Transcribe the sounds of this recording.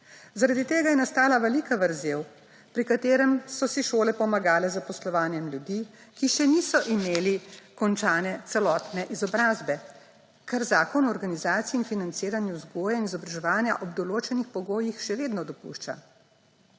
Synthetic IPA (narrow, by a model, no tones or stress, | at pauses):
zaɾad̪it̪eːɡajɛnast̪aːlaʋɛlikaʋəɾzeːw | pɾikat̪eːɾɛmsɔsiʃoːlɛpɔmaɡaːlɛzapɔslɔʋaːnjɛmlʲjud̪ikiʃɛniːsɔʔimeːlikɔnt͡ʃaːnɛt̪sɛlɔːt̪nɛʔizɔbɾaːzbɛ | kaɾzaːkɔnɔɾɡanizaːt̪siiːnfinant̪siːɾanjuzɡoːjainizɔbɾaʒɛʋaːnjaʔɔbd̪ɔloːt͡ʃɛnixpɔɡoːjixʃɛʋeːd̪nɔd̪ɔpṵʃt͡ʃa̰